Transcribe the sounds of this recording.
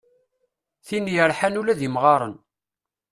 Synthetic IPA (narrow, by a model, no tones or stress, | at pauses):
θinjəɾˤħanulæðimʁɑɾˤə̰n